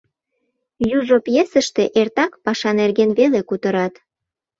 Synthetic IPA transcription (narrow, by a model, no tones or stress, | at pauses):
juʒopjesəʃt̪eʔert̪ɑkpɑʃɑnerɣenβelekut̪əɾɑt̪